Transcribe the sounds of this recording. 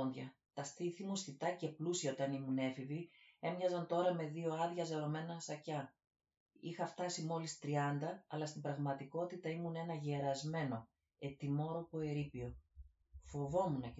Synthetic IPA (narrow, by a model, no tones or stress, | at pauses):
ndʝɐ̰t̪ɐsθiθimusθit̪ɐce̞plusiɐo̞t̪ɐnimune̞fivie̞mɲɐzɐnt̪o̞ɾɐme̞ðio̞ɐðʝɐzeɾo̞me̞nɐsɐcɐ | ḭxɐft̪ɐsimo̞list̪ɾiɐnd̪ɐːlɐst̪imbɾɐɣmɐt̪iko̞t̪it̪ɐimune̞nɐʝeɾɐzme̞no̞ | e̞t̪imo̞ɾo̞po̞eɾipio̞ | fo̞vo̞munɐ